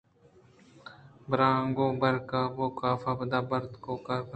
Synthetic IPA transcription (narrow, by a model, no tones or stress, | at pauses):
bɾãːŋɡõːbəɾkaːʋoːkaːfaːbəd̪aːbəɾt̪koːkəɾ